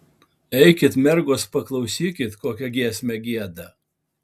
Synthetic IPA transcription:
ɛɪkʲɪt̪mʲɛɾɡoːspɐklˠɐʊsʲiːkʲɪt̪koːkʲɛɡʲiɛsʲmʲɛɡʲiɛd̪ɐ

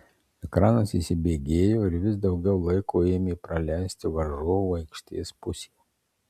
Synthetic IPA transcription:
ɛkɾɑːnosḭːˑsʲɪbʲeːɡʲeːjoːɪɾʋʲɪsd̪ɒʊɡʲɛʊlˠɐɪkoːeɪːmʲeiːpɾɐlʲæˑɪsʲt̪ʲɪʋɐʒoːɐɪkʃʲt̪ʲḛːspʊsʲeː

